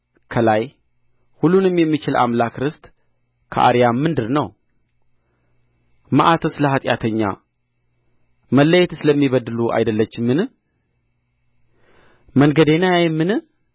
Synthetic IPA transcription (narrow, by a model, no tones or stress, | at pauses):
kʰəlaj | hulːunɨmjɛmːit͡ʃɪlʔa̰mlakɾɨst̪ | kʰə̰ʔa̰ɾijamːɨnd̪ɨɾnəw | məʔat̪ʰəsləɦat̪ʼja̰t̪ʰəɲːa̰ | məlːəjɛt̪ɨsɨləmːiβəd̪ɨluʔa̰jd̪əlːət͡ʃːɪmːɨnɨ | məŋɡəd̪enajajɛmːɨnɨ